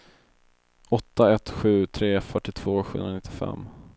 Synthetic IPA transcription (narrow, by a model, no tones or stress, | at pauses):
ɔt̪ːaɛt̪ɧʉ̟ːt̪ʰɾeːfœʈːɪt̪ʰv̥oːɧɵ̰nanɪt̪ːɪfɛ̰mː